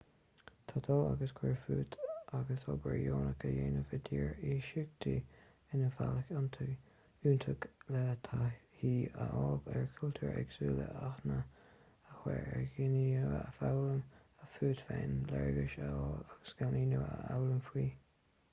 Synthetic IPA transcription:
t̪ʰad̪ʰɔːaɡəskʰwɛɹfuːt̪ʔaɡəsɔbəɹjoːnəkəjeːnəvəd̪iːɹiːʃɪɡ̚t̪ʰi | ɪnəfaləkant̪ʰə | uːnt̪ʰəɡlɛt̪ʰahiːəʔɔːbɛɹkʰʊlt̪ʰəɹɛɡsuːlə̰ʔaxnə | əxwɛɹɛɹɡɪniəəəfawləm | əfuːt̪fɛnlɛɹɡɪʃəɔːlaɡ̥əsɡ̥aniːnəəawləmfwiː

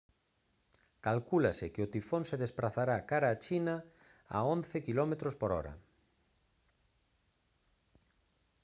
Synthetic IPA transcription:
kalkulasɪkɪʊt̪ifonseðespɾaθaɾakaɾaːt͡ʃina | a̰onθekilɔmet̪ɾospoɾɔ̰ɾɐ̰

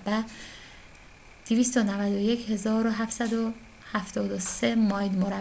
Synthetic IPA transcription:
bæ | d̪̥eviːst̪onævæd̪oje̞cʰhe̞zɒːɾoɦæft̪sæd̪o | hæft̪ʰɒːd̪osemɒːjd̪moɾæ

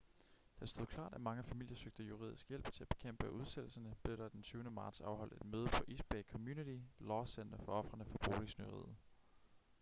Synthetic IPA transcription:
d̥ɑ̥sd̥o̝ðˠkʰl̥ɑ̰̈ːd̥æmɑ̈ŋəfæmil̰jɐsøɡ̥̚d̥əjuʁḭð̞ˠisɡ̥jel̰b̥̚t͡sʰe̝læb̥e̝kʰem̰b̥əæʔuð̞ˠsel̰̩sɐnəb̥le̝ɾ̥ɑ̈d̥ensʰyːʊnəmɑ̈ːd̥sɑ̈ʊɦɒ̽l̰d̥e̝d̥møːðˠəfɒ̽ʔisb̥ekʰɒ̽mjunit͡sʰilɒːsen̰d̥ɐfɒ̽ɒ̽fʁɐnəfɒb̥oːlisnyʁḭð̰̩ˠ

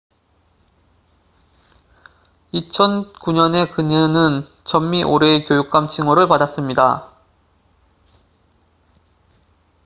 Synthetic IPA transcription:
it͡ɕʰʌnkuɲʌne̞kɯɲinɯn | t͡ɕʌmːiʔoɾe̞kjojuk̚k͈amt͡ɕʰiŋwʌɾɯɭpadas͈ɯmɲida

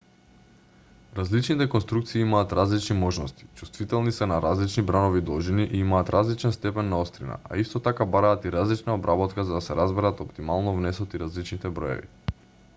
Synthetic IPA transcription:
ɾazlit͡ʃnit̪ɛkɔnst̪ɾukt̪siːimaːt̪ɾazlit͡ʃnimɔʒnɔst̪i̥t͡ʃu̥st̪vit̪ɛlˠnisɛnaɾazlit͡ʃnibɾanovid̪ɔʒiniʔiimaːt̪ɾazlit͡ʃɛnst̪ɛpɛnːaost̪ɾina̰a̰ist̪ɔt̪akabaɾaːt̪iɾazlit͡ʃnaobɾʔabɔt̪kazad̪asɛɾazbɛɾat̪ɔpt̪imalˠnɔvnɛsɔt̪iɾazlit͡ʃnit̪ɛbɾɔ̰jɛ̰vḭ

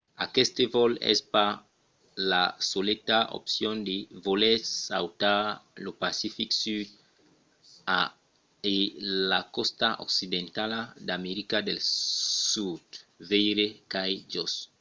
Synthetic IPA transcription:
a̰kest̪evolḛspa | lasolet̪ao̰psjõnd̪evolesawt̪alopasifiksyd̪̚ | a | elakost̪aʔo̰ksid̪ẽnt̪alad̪ameɾikad̪elsud̪vejɾekajd͡ʒos

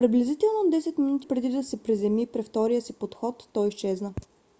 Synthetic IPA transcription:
pɾiblɛzit̪ɛlˠnod̪ɛsɛt̪minut̪i̥pɾɛd̪id̪ɐsɛpɾizɛmipɾɛft̪ɔɾijəsipot̪xɔt̪ːɔjiʃt͡ʃɛznə

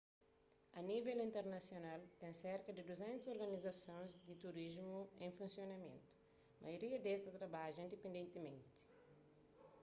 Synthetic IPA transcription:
ɐnivelĩnt̪eɾnɐsjonalt̪ɛ̃nseɾkɐd̪id̪uzɛ̃nt̪usoɾɡɐnizɐsõnzd̪it̪uɾizmuẽfũnsjonɐmḛ̃nt̪u̥ | mʔɐ̰joɾiɐd̪est̪ɐt̪ɾɐbaʒuĩnd̪epẽnd̪ẽnt̪imẽnt̪i̥

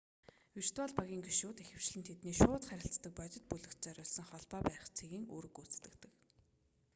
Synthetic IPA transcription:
wir̥t̪waːɮpaɣʲiːŋɡiʃuːt̪exɘ̆w̥t͡ɕɮɘ̆nt̪ʰet̪niːʃʊːt̪χæɾʲɪ̆ɬt͡st̪ə̆k̚pɔt͡ɕ̪ʲɪ̆t̪̚puɮɵ̆kt̪̚t͡sœɾʲʊːɮs̆ŋχɔɮpɔːpæ̆ːχt͡sʰeɣiːŋo̰ːɾɵ̆kut͡st̪ɘ̆kt̪ɘ̆k

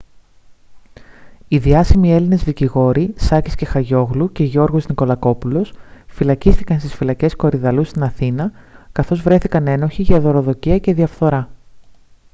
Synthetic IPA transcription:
iðiɐsimie̞line̞zðiciɣo̞ɾisɐcisce̞xɐʝo̞ɣluce̞ʝo̞ɾɣo̞zniko̞lɐko̞pulo̞sfilɐcist̪ikɐnst̪isfilɐce̞sko̞ɾiðɐlust̪inɐθinɐkɐθo̞zvɾe̞θikɐne̞no̞çiʝɐðo̞ɾo̞ðo̞ciɐce̞ðiɐfθo̞ɾɐ

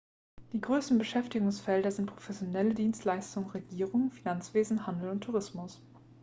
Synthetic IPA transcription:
d̥iːɡʁøːstn̩bəʃɛftɪɡʊŋsfɛldɐzɪnt̚pʁ̥ofɛsjonɛlədiːnstlaɪstʊŋənʁeɡiːʁʊŋfinant͡sv̥eːzn̩handl̩ʊntʰːuʁɪsmʊs

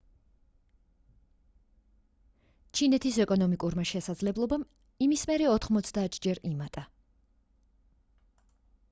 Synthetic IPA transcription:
t͡ʃʰinɛt̪ʰisɛkʼɔnɔmikʼuɾmaʃɛsad̪zlɛblˠɔbam | imismɛɾɛɔt̪ʰχmɔt̪sʰd̪aːt̪ʰd͡ʒɛɾimat̪ʼa

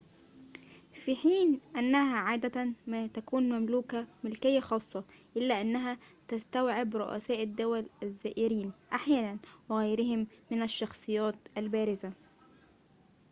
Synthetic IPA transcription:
fiħiːnʔænːæhæʕaːd̪æt̪mæːt̪ækuːnmæmluːkæmɪlkɪjːaxɑːsˤːɑʔɪlːæːʔanːæɦæt̪æst̪æwʕɪbɾoʔæ̰sæːʔɪd̪ːʊwælʔæzːæːʔɪɾiːnʔaħjæːnænwɪɣæjɾɪhɪmːɪnæʃːɑxsˤɨjːæːt̪ʔælbæːɾɪza

